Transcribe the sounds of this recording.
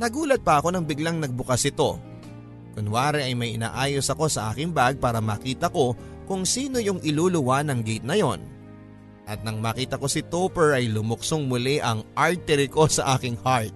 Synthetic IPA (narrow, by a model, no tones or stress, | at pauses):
nɐɡuːlɐt̪̚pɐʔɐko̞nɐŋbɪɡlaŋnɐɡ̚bʊkɐsʔɪt̪o̞ | kʊnwaːɾɛʔɐjmɐjʔɪna̰ːʔaːjo̞sɐko̞sɐʔaːkɪŋbaɡ̚paːɾɐmaːkiːt̪ɐko̞ | kʊŋsiːno̞jʊŋʔɪluːlʊwanɐŋɡɛjt̪̚nɐjo̞n | ʔɐt̪̚nɐŋmaːkiːt̪ɐko̞sɪt̪opɛɹʔɐjlʊmʊk̚soŋmʊlɛʔɐŋʔalt̪ɛɾɪko̞sɐʔaːkɪŋhaɹt̪̚